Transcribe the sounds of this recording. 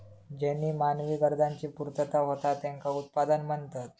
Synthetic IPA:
d͡ʑɛnːiːmanʋiːɡəɾd̪ʱaɲt͡ɕiːpuɾt̪ət̪aɦot̪at̪ɛŋkaut̪̚pad̪ənməɳt̪at̪̚

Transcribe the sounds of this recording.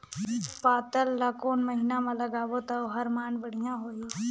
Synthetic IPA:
paːt̪əlːakoːnmɐɦɪnamãlɐɡaːʋot̪aoɦɐɾmaːnbəɽ̤ijãɦoːiː

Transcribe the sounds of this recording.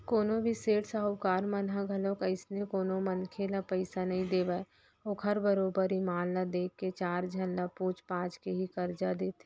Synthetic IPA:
koːnõbʱiseːʈsaɦukaːɾmənɦaɡʱəlõkəɪsnekoːnomənkʰeːlapəɪsanɐɦĩd̪eːʋa | oːkʰɦəɾbəɾoːbəɾimaːlːad̪eːkːet͡ʃaːɾd͡ʒʱənlapuːt͡ʃpãːd͡ʒkeɦikəɾd͡ʒad̪eːt̪ʰe

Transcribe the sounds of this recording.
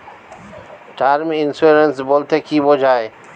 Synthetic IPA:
ʈaːɾmɪnsuɾənsboːlt̪ʰekʰibod͡ʒʱaːe

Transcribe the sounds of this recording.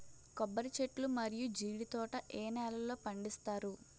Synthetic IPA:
kɔbːɐɾit͡ʃe̞ʈlumɐɾijud͡ʒiːɽit̪ɔːʈɐʔɛːnɛːlɐlo̞ːpɐɳɖist̪aːɾu

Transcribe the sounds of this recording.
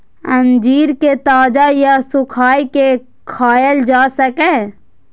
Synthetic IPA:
ə̃nd͡ʒiːɾket̪aːd͡ʒajasʊkʰaːjke | kʰaːjəld͡ʒaːsəke

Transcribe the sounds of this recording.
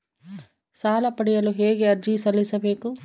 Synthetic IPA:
saːlɐpɐɽijɐluɦeːɡeɐɾd͡ʒisɐlːisɐbe̞ːku

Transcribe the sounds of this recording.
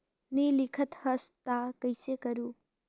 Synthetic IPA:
nilikʰɐt̪hɐst̪akɐjsekɐɾu

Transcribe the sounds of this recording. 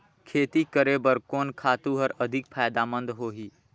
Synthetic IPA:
kʰeːt̪ikəɾebəɾkɔːnkʰaːt̪uɦɔɾəd̪ʱɪk̚pʰaːjd̪aːmə̃nd̪ɦoːɦiː

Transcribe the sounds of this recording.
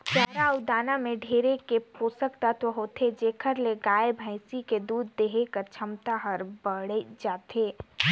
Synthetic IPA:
pɛːɾaʊd̪aːnamẽɖʱeːɾekepoːsəkt̪at̪oɦoːt̪ʰed͡ʒeːkʰəɾleɡaːebʱə̃ɪsiked̪uːd̪ːeɦekəɾt͡ʃʰɐmt̪aɦəɾbəɽed͡ʒaːt̪ʰeː

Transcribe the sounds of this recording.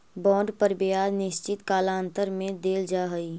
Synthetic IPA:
bɔ̃ːɖpəɾbɪjaːd̪nɪʃt͡ʃɪt̪kaːlaːə̃nt̪əɾmẽd̪eːld͡ʒaːɦəiː

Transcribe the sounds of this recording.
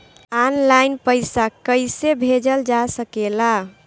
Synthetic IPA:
anlajnpəjsakəɪsebʱed͡ʒəld͡ʒasəkela

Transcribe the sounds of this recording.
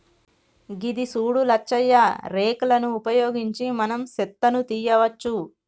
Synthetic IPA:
ɡid̪isuːɽulɐt͡ʃːɐjːɐɾeːkɐlɐnuːpɐjo̞ːɡiɲt͡ʃimɐnɐmsɛt̪ːɐnut̪iːjɐʋɐt͡ʃːu

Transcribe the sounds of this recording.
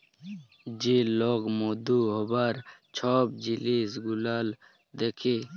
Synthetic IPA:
d͡ʑiloːɡmoːd̪uɦobaːɾt͡ɕʰaːb̚d͡ʑilisɡulaːl | d̪ekʰe

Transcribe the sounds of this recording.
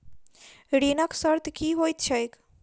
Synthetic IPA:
ɽinaksəɾt̪kiɦoːit̪t͡ʃʰaek

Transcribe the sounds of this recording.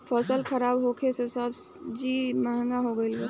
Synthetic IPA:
pʰɔːsəlkʰɐɾaːbɦoːkʰesesəbd͡ʒiːməɦə̃ŋɡaɦoɡəɪlɡe

